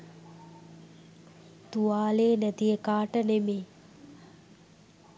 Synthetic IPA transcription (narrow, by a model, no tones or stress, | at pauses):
t̪uʋaːleːnæt̪ijəkaːʈənemeː